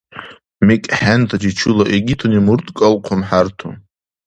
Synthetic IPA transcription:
mikʼħant̪ʰad͡ʒit͡ʃʰulaʔeɡʲitʰonimurt̪ʼkʼalqʰʊmħartʰo̰

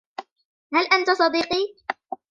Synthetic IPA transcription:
halʔant̪asˤɑd̪iːqiː

